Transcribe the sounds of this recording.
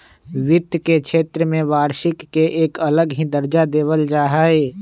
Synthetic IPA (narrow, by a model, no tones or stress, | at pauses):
ʋɪt̪kekʃʰeːt̪ɾəmẽʋaːɾʃɪkːeʔeːkələɡɦid̪əɾd͡ʒad̪eːʋəld͡ʒaːɦaːe